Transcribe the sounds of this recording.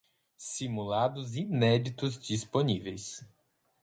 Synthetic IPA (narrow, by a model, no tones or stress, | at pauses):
simulad̪ʊzinɛd͡ʒit̪ʊzd͡ʒisponivejs